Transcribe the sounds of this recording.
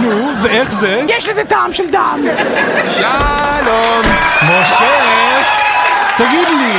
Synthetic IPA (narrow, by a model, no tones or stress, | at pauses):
nu | veeχzejɛʃlezet̪aːmʃeld̪amʃalommoʃe | t̪aɡid̪li